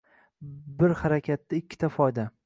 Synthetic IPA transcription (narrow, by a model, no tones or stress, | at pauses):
bɪɾhaɾakʲʰat̪ːaɪkʲʰːɪ̥t̪ʰafɒjd̪a